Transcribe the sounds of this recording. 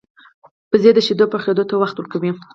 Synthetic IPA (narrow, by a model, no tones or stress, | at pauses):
pəzed̪əʃed̪opəxed̪ot̪awaxt̪wəɾkawi